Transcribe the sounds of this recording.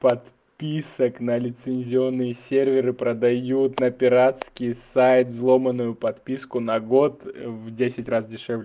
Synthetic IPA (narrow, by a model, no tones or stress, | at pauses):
pɐt̪ | pʲisəknəlʲɪt̪sɨnʲzʲɪo̞nːɨjəsʲervʲɪɾɨpɾəd̪ɐjut̪nɐpʲɪɾat̪skʲɪjsajt̪vzlˠo̞mənːʊjʊpɐt̪pʲiskʊnɐɡo̞t̪vdʲesʲɪtʲrasdʲɪʂɛvlʲɪ